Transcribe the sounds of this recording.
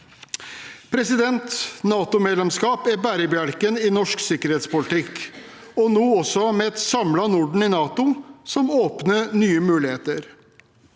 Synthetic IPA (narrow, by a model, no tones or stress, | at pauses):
pʰɾɛsɪd̪ɛnt̪nɑːt̪ʊmeːd̪lɛmskɑːpæɾbæɾəbjæɽkənɪnɔʂksɪkəɾheːt̪spʊlɪt̪ʰɪkː | ɔnoːɔsɔmɛɛt̪sɑmlɑnʊɖɳ̩ɪnɑːt̪ʊsɔmoːpnənyːəmʉːlɪheːt̪əɾ